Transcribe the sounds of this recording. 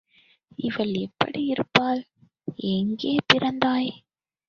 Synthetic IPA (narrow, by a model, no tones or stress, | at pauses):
ɪʋɐlɛpːɐ̰ɽiɪɾɯpːaːl | ɛŋɡeːpɪɾɐnd̪aːj